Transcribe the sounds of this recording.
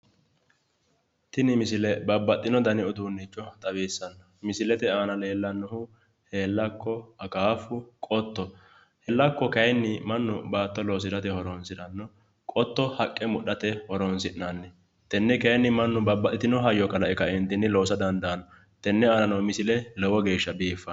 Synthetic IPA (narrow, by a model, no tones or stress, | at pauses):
t̪ɪnɪmɪsɪlɛbɐbːɐt̪ʼːɪnɔd̪ɐnɪɔd̪uːnːɪt͡ʃːɔt̪ʼɐbeːsːɐnːɐmɪsɪlɛt̪ɛaːnɐle̞ːlːɐnːɔhʊ | heːlːɐkːɔɐkaːfʊkʼɔt̪ːɔ | hɛlːɐkːɔkɐjnːɪmɐnːʊbaːt̪ːɔlɔːs̬ɪd̪ɐt̪ɛhɔɾɔnsɪᶑ̪ɐnːɔ | kʼɔt̪ːɔhɐkʼːɛmʊɗɐt̪ɛhɔɾɔnsɪʔnanːɛ | t̪ɛnːɛkɐjnːɪmɐnːʊbɐbːɐt̪ːɪt̪ɪnɔɦɐjːɔkɐlɐɛkɐɪnt̪ːɪnːɪlɔːsɐd̪ɐnd̪ɐnɔ | t̪ɛnːɛaːnɐnɔwmɪsɪlɛlɛwɔɡe̞ːʃːɐbiːfːɐ